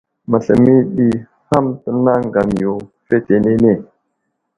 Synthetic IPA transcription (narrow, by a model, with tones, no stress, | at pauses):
ma˨ɬə˨mi˦ɗi˨ | ha˦mtə˦˨na˦ŋɡa˨m˨jo˨fe˦te˨ne˦ne˦˨